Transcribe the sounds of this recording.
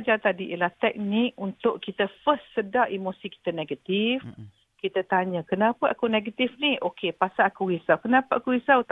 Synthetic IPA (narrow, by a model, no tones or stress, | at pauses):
d͡ʒat̪adiʔilaht̪ɛk̚nɪk̚unt̪ʊʔkit̪əfəssədaʔimosiki̥t̪anẽɡat̪if | kit̪ət̪aɲəkənapəʔakuneɡət̪ifniʔokepasaːkuhisawkənapəʔakuisawt̪